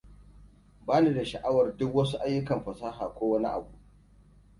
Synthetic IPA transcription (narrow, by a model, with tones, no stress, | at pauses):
baː˦ni˦da˨ʃɐ˨ʔa˦wɐ˨rdʊ˦kwɐ˦s̬u˦ʔa˦jːʊ˦kɐ˨mɸɐ˨saː˦ɦaː˨kʷoː˦wɐ˦ni˦ʔa̰˨bu˦ʔ